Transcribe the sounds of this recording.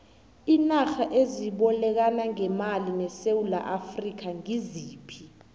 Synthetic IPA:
inaxaʔeziɓɔlɛk̬anaŋɛmalinɛsewula̰ʔafrik̬ʰaŋiziːpʰi

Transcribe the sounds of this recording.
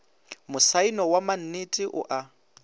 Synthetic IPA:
mʊsainɔwaman̩nitʼiʔʊ̰ʔa

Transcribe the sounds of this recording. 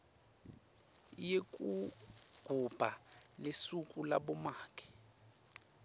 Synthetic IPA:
jekʼuɡ̥ʱub̥ʱalesukʼula̰ɓɔmaːkʰɛ̥

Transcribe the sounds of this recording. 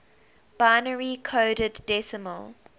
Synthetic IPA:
b̥aɪnəɹikʰoːɾədːɛsəməlˠ

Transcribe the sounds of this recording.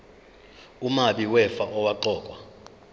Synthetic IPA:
umaɓiwɛfaʔɔwaǃɔːkʼwa

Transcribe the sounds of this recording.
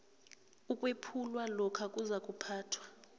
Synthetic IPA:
ukʼwepʰulwalɔkʰakʼuzakʼupʰaːtʰwa

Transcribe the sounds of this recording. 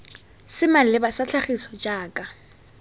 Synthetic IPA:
sɪmal̩lɪbasat͡ɬʰaχisɔt͡ʃʼaːkʼa

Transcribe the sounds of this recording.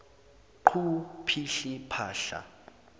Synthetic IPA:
ǃʰupʰiɬipʰaːɬa̰

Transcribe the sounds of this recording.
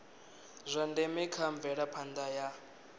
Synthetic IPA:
zʷandɛmɛkʰaɱb̪vɛɺapʰand̪aja

